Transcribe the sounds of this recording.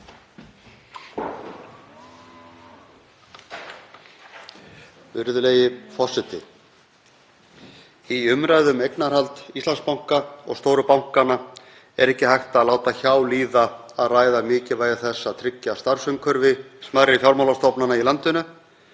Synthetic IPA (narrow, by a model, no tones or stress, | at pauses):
vʏɾðʏleːjɪfɔ̥sɪt̪ɪ̰ | iʏmɾajðʏmejknaɾ̥halt̪ist̪lanspawŋ̥kaɔ̰ɣst̪oːwɾʏpawŋ̥kana | ɛ̰ɾɛhcːɪhajht̪aaðlaːwt̪açaːwliːðaaðraːjðamɪːcɪvaːjðaθɛsːat̪ʰɾɪcːast̪aɾ̥sʏŋkʰœɾvɪsmaðɾɪfjawɾmawlast̪ɔpnanailant̪ʏnʏ